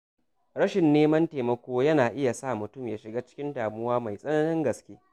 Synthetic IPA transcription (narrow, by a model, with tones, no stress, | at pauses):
ɽɐ˦ʃɪ˨nːeː˦mɐ˦nteː˨mɐ˦kʷoː˦jɐ˦naː˨ʔɪ˦ja˨sa˦˨mʊ˨tʊ˦˨mjaː˨ʃɪ˨ɡaː˦t͡ʃɪ̥˦kʲɪ˦ndaː˨mʊ˦waː˦ma˨jsʼɐ˦nɐ˦nɪ˦ŋɡɐ˨skʲeː˦